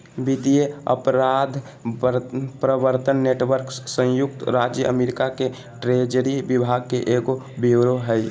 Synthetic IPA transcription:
bid̪ijeə̰pɾad̪ʱ | pɾəbəɾt̪ənːeːʈʋəɾksə̃jʊk̚t̪ɾad͡ʒjəʔə̰meːɾɪkake | ʈɾed͡ʒəɾibɪbʱaɡ̚keʔeɡobiɾoɦɛj

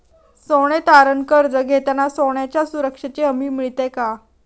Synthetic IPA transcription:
soɽ̃et̪aɾənkəɾd͡zəɡʱet̪anasoɳ̃jat͡ɕjasuɾəkʂət͡ɕeəmiːmiɭt̪eka

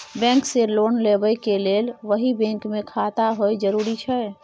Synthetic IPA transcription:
bɛ̃ŋkselonlebəjkelelʋəɦibɛ̃ŋkmekʰat̪aɦojd͡ʒəɾuɾit͡ʃʰəj

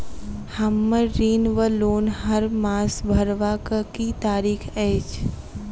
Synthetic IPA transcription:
həmːəɾːiːnʋəloːnɦɐɾmaːsbʱəɾʋakəkit̪aːɾiːkʰeːt͡ʃ

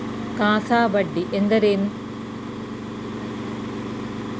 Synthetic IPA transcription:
kaːsaːbɐɖːiʔend̪ɐɾeːn

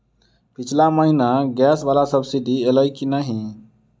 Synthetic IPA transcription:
pit͡ʃʰlaməɦinaɡɛsʋaːlasəbsid̪ieləjkinəɦĩ

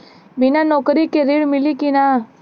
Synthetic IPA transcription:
binanɔːkɾikeɾiɽmɪlikina

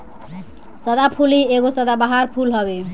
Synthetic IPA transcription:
səd̪apʰulieɡosəd̪abaɦaɾpʰulɦʌbe

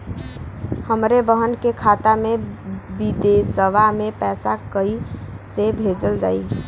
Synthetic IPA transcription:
həmɾebəɦənkekʰat̪amebid̪esəʋamepɛːsakəi | sebʱed͡ʒəld͡ʒa̰ːi

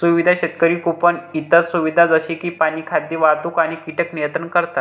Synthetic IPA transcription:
suʋid̪ʱaɕet̪kəɾiːkupənit̪əɾsuʋid̪ʱad͡zəɕikiːpañiːkʰad̪jiʋat̪uːkaɽ̃ikiʈəknijət̪ənkəɾt̪at̪

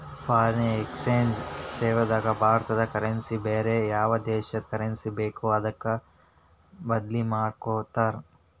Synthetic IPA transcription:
pʰaːɾnekseːnsseːʋɐd̪aːɡɐbʱaːɾt̪ɐd̪ɐkɐɾɐnsibeːɾejaːʋɐd̪ɛːʃɐkɐɾɐnsibeːkuɐd̪ɐkːɐ | bɐd̪limaːɖkoːt̪aːɾ

